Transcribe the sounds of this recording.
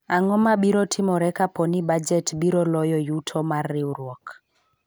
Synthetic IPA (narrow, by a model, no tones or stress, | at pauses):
aŋɔmaɓiɾɔtʰimɔɾɛkapɔniɓad͡ʒɛtɓiɾɔlɔjɔjutʰɔmarːiuɾwɔk